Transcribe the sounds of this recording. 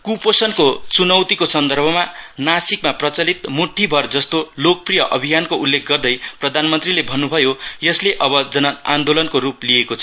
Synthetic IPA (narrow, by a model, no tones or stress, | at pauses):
kuposʌnkot͡sunʌwt̪ikosʌnd̪ʌrbʱʌmanasikmaprʌt͡sʌlit̪muʈʰːibʱʌrd͡zʌst̪olok̚prijʌʔʌbʱijankoulːekʰɡʌrd̪ʌjprʌd̪ʱanmʌnt̪rilebʱʌnːubʱʌjojʌsleʔʌbʌd͡zʌnʌand̪olʌnkoɾuplijekot͡sʰʌ